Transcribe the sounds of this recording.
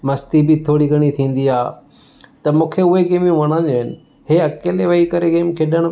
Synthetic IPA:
mɐst̪ibit̪ʰoːɽiɡʱɐɽ̃it̪ʰĩːn̆d̪iaː | t̪ɐmũːkʰeʊɦeɡeːmjũʋɐɽ̃ãːɲoɪnɪ̆ | ɦeɐkeːleʋɐikɐɾeɡeːmkʰeːɗəɽ̃

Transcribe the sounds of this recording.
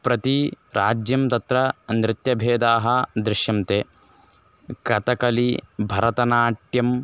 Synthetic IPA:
pɾɐt̪i | ɾaːd͡ʒjɐmt̪ɐt̪ɾɐnɾɪt̪jɐbʱeːd̪aːɦɐd̪ɾɪʃjɐmt̪eː | kɐt̪ɐkɐlibʱɐɾɐt̪ɐnaːʈjɐm

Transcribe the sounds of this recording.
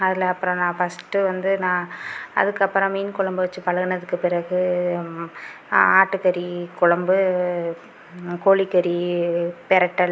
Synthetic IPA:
ɐðɪlɐɐpːɯɾɔ̃nãːfɐsʈːɯʋɐnd̪ɯnãːɐ̰ðɯkːɯɐpːɯɾɔ̃miːnkʊɭɐmbɯʋɐt͡ʃːɯpɐɭɐɣɯnɐðɯkːɯpɪɾɐɣɯ | aːʈːɯkɐɾikʊɭɐmbɯ | koːɭikːɐɾipɛɾɐʈːɐl

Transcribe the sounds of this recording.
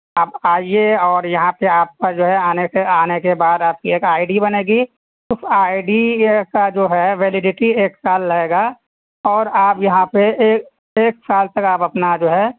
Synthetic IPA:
aːpaːieɔːɾjɐɦãpeaːp̚kɐɾd͡ʒoːɦɛaːneseaːnekebaːd̪aːp̚kieːkaːɪɖibɐneːɡi | sɪfaːɪɖikad͡ʒoːɦɛʋɛːlɪɖɪʈieːksaːlːɐɦeːɡa | ɔːɾaːpjɐɦãpeːk | eːksaːlt̪ɐkaːpɐpnad͡ʒoːɦɛ

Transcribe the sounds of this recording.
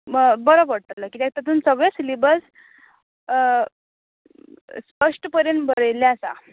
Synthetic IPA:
bəɾobəɽt̪ələkiːt̪ɛk̚t̪at̪̬uːnsəɡɭesilibəd͡z | spəʂʈpəɾjəɳbəɾəjleasa̰

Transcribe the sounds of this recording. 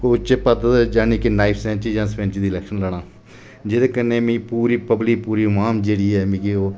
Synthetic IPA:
oːt͡ʃepət̪ːd͡ʒaːniːkinaːɪpʰsɛ̃ːnt͡ʃiːd͡ʒãːspɛ̃ːnt͡ʃid̪iːlɛːkʃənləːɽ̃ãː | d͡ʒeːd̪eːkəneːmẽːpuːɾiːpəbliːpuːɾiːmaːmd͡ʒeːɽiːɛːmĩːkɡioː

